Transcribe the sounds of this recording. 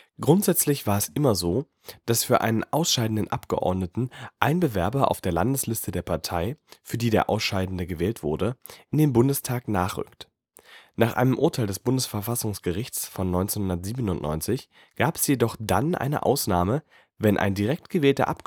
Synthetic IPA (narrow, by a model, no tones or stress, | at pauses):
ɡ̥ʁʊntz̥ɛt͡slɪçv̥aːɐɛsʔɪmɐzoː | d̥asfyːɐʔa̰ɪnənʔaʊsʃaɪdn̩dənʔapɡ̥əʔɔ̰ɐdnətn̩ʔaɪnbəvɛɐbɐʔa̰ʊfd̥eːɐlandəslɪstədeːɐpʰaɐtʰaɪfyːɐdiːdeːɐʔa̰ʊsʃaɪdn̩dəɡəvɛːltv̥ʊɐdəʔɪndeːnbʊndəstʰaːknaːχʁ̥ʏ̰kt | naːχʔa̰ɪnəmʔʊɐtʰaɪldɛsb̥ʊndəsfɛɐfasʊŋsɡ̥əʁɪçt͡sfɔnːɔʏnt͡senhʊndɐtz̥iːbənʊntnʔɔ̰ʏnt͡sɪç | ɡ̥aːpɛ̥sjedɔχd̥a̰nʔa̰ɪnə̰ʔa̰ʊsnaːmə | vɛnʔa̰ɪndiʁɛk̚tɡ̥əvɛːltɐ̰ʔap̚